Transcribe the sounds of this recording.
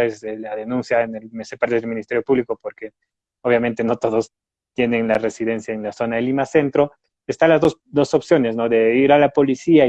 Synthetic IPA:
eselaðenũnsjaenelmesepaɾt̪eðelminist̪eɾjo̞puβlikopoɾke | oβ̞jamẽnt̪e̞no̞t̪o̞ðos | t̪jeneŋlare̞siðe̞nsjaenlaso̞naðelimase̞nt̪ɾo̞ | est̪alazðos | d̪o̞sopsjo̞ne̞sno̞ðe̞iɾalapo̞lisia

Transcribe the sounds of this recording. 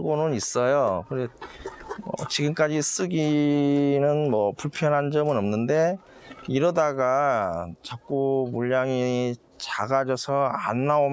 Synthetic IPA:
ɡonɯnis͈ʌjokɯɾ | ʌ̰t͡ɕiɡɯmk͈ad͡ʑis͈ɯɡi | nɯnmʌpuɭpʰjʌnɦand͡ʑʌmɯnʌmnɯnde̞ | iɾʌdaɡat͡ɕak̚k͈umuʎːaŋi | t͡ɕaɡad͡ʑʌsʰʌa̰nːaom

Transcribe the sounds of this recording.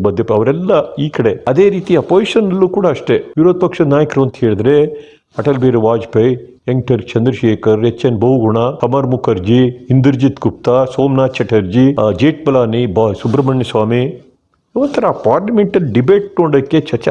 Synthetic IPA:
bɐd̪ːɐpːɐʋɐɾɛlːɐiːkɐɽeɐd̪eːɾiːt̪iɐpoːsiʃɐnɐlːuːkuːɽaːʂʈeʋiɾod̪̚pɐkʂɐd̪naːjɐkɾɐʋɐnt̪ɐɦeːɭd̪ɾe | ɐʈɐlbeːɾeʋaːd͡ʒpɐj | eŋʈɐɾt͡ʃɐnd̪ɾɐʃeːkɐɾet͡ʃːɐnbɐwɡuɳakɐmɐɾmukʰɐɾd͡ʒiind̪uɾd͡ʒit̪kup̚t̪asoːmnaːt͡ʃɐʈɐɾd͡ʒid͡ʒeːʈ̚bɐlaːnibsubɾɐmɐɳjɐsʋaːmi | iʋɐnt̪ʰɐɾɐːpaːɾlɐmeɳʈɐlɖibeːʈ̚noɳɖɐkːet͡ʃɐt͡ʃɐ

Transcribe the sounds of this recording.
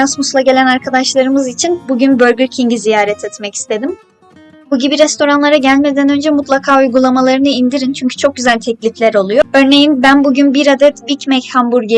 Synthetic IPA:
asmuslˠaɟe̞lʲænaɾkʰad̪aʃlˠaɾɯmɯzit͡ʃʰinbuɟynbø̞ɾɟyɾcʰiɲɟizijaːɾɛt̪ʰɛt̪mɛci̥st̪ʰe̞d̪im | buɟibiɾɛst̪ʰo̞ɾanlˠaɾaɟælʲme̞d̪ænø̞nd͡ʒɛmut̪lˠakʰaːujɡulˠamalˠaɾɯnɯind̪iɾint͡ʃʰyɲcʰy̥t͡ʃʰo̞k̚ɟyzælʲt̪ʰɛclʲiflʲæɾo̞lˠujoø̞ɾne̞jinbænbuɟynbiɾad̪ɛt̪bicmɛchambuɾɟe

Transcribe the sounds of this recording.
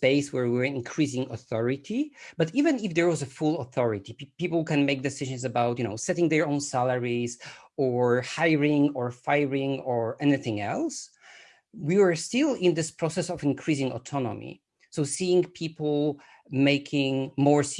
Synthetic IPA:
speɪswəɹwiwə˞ɪ̃nkʰɹ̥izɪ̃ŋɔ̰θɔɹɪtʰib̥ʌtivɨ̃nɪfðəɹwɔzəfʊlˠɔθɔɹɪtipipl̩ˠkɛ̃nmeɪk̚d̪ɨsɪʒɨ̃nzəbaʊtjɨnoʊsɛɾɪ̃ŋðɛ˞õʊ̃nsælˠəɹiz | ɔɹhaɪɹɪ̃ŋɔɹfaɪɹɪ̃ŋɔɹɛniθɪ̃ŋɛlˠs | wiwə˞stɪlˠɪ̃nd̪ɪspʰɹ̥ɔsɛsɔvɨ̃nkʰɹ̥izɪ̃ŋɔ̰tʰɔnɔ̰mḭ | soʊsiɪ̃ŋpʰipl̩ˠ | meɪkʰɪ̃ŋmɔɹs

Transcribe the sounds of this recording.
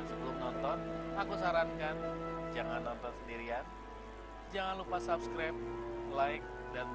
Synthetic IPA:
ŋsəbəlʊmnɔnt̪ɔnakusaɾankand͡ʒaŋanːɔnt̪ɔnsəndiɾian | d͡ʒaŋanlupasap̚skɾap̚laɪk̚ | dan

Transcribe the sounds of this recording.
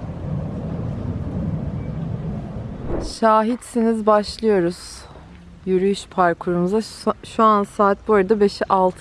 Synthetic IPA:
ʃaːɦit̪sinizbaʃlˠɯjo̞ɾuz̥ | jyɾyjyʃpʰaɾkʰuɾumuzaʃuansaːt̪̚boɾad̪abe̞ʃiʔalˠt̪ʰ

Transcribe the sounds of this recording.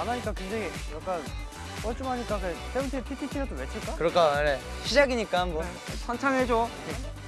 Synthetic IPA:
anaɲik͈akend͡ʑeɡijak͈an | ʌɭt͡ɕ͈umɦaɲik͈akɯteuŋtʰepʰitʰitʰiɡad͈ʰomet͡ɕʰɯɭk͈akɯɾʌk͈ʰane | ɕʰid͡ʑaɡiɲik͈anmʌ | sʰʌnt͡ɕʰaŋɦed͡ʑo | e

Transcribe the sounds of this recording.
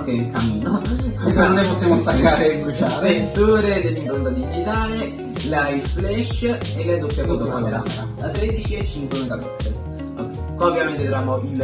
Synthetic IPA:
ŋkenelkamiːnokekanːonɛpɔsːjamost̪akːaːɾeɡuʃaesoːɾed̪elːimpɾont̪ad̪id͡ʒit̪aːle | lajflɛʃelːɛd̪opːjap̪unt̪okaeɾa̰mɾaat̪ɾɛd̪it͡ʃiɛt͡ʃːint̪oɾnk̪apɛ̰t̪se | okːɛ | kaovjament̪ed̪ɾamoil

